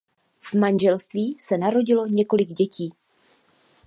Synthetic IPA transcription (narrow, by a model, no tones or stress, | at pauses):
v̥manʒɛlst̪viːsɛnaɾo̞ɟɪlo̞ɲɛko̞lɪɡɟɛciː